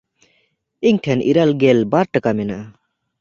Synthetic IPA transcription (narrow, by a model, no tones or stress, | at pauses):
iɲʈʰɛnʔiɾalɡɛlbaɾʈakamɛnaʔa